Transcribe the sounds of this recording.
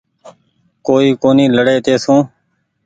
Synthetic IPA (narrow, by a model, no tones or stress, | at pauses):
koːiːkoːniːləɽeːt̪eːsũː